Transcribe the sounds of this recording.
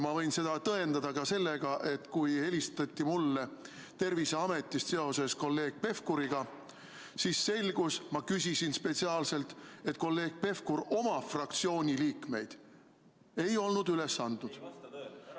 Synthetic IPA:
mɑvɤ̞jnse̞d̪̥ɑt̪ɤe̞nd̪ɑd̪ɑkɑse̞lːeɡ̥ɑʔe̞t̪kuje̞list̪ɑt̪ʲˑːimulːe | t̪e̞rviseɑme̞t̪ːˑist̪se̞o̞se̞sko̞lːe̞ːɡ̥̚pe̞fkuɾiɡ̥ɑ | sisːe̞lɡ̥usmɑkysʲisinspet̪siɑːlse̞lt̪e̞t̪ˑko̞lːe̞ːɡ̥̚pe̞fkuɾo̞mɑfrɑk̚t̪sio̞ːnʲiliːkme̞jd̪̥ | e̞jo̞lnud̪ylesːɑnd̪̥nud̪̥

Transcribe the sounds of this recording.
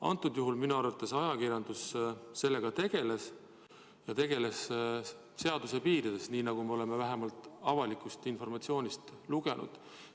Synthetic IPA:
ɑ̰nt̪ːˑud̪̥juɦulminuɑrvɑt̪ːˑɑsɑjɑkiɾjɑnd̪̥usse̞lːe̞ɡ̥ɑt̪e̞ɡ̥e̞le̞s | jɑt̪e̞ɡ̥e̞le̞s | se̞ɑd̪̥use̞piːɾid̪̥e̞sniːnɑɡ̥ume̞o̞le̞me̞væɦe̞mɑlt̪ˑɑvɑlikˑust̪info̞rmɑt̪sio̞ːnʲist̪luɡ̥e̞nʔṵd̪̥

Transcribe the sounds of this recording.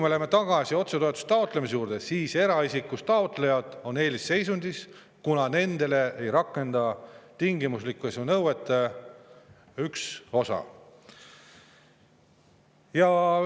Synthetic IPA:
kujmeolemːet̪ɑɡ̥ɑsio̞t̪se̞t̪o̞e̞t̪ːˑu̥st̪ːɑot̪ˑle̞mis̬e̞juːɾd̪̥e̞siːse̞ɾɑisikːˑust̪ɑot̪ˑle̞jɑd̪̥o̞ne̞ːlisːe̞jsunʲd̪̥is | kunɑne̞nd̪̥e̞le̞ejɾɑkːˑe̞nd̪̥ɑt̪iŋɡimuslikːˑuesunɤwet̪ːˑe | ykso̞sɑ̰ | jɑ

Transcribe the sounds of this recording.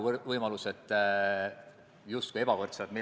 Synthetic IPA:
vɤjmɑluset̪ˑː | just̪kuie̞bɑkort̪sed̪mi

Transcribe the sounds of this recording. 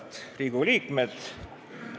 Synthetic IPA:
t̪riːɡ̥uliːkmet̪

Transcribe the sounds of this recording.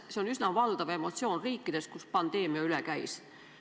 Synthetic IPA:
seo̞nysnɑvɑld̪̥ɑve̞mo̞t̪sio̞ːnriːkːˑid̪̥e̞skuspɑnd̪̥e̞ːmiɑylekæjs

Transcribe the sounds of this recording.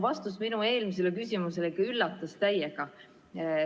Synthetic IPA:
vɑst̪usminue̞ːlmis̬elekysʲimuselekɑylːɑt̪ːˑɑst̪æjeɡ̥ɑ

